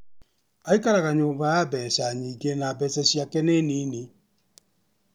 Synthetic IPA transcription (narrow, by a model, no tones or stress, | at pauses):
aikaɾaɣaɲoːbaabɛsaɲiːɡenabɛsɛsiakɛneniːni